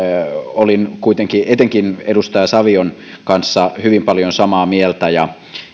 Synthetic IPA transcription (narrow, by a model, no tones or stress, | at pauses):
olinkuit̪eŋkiʔet̪eŋkinedust̪ɑjɑsɑʋion | kɑnsːɑhyʋimpɑljonsɑmɑːmielt̪æjɑ